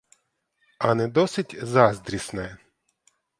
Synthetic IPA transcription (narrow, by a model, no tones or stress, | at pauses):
ɐnɛd̪ɔsɪtʲzɑzd̪ɾʲisnɛ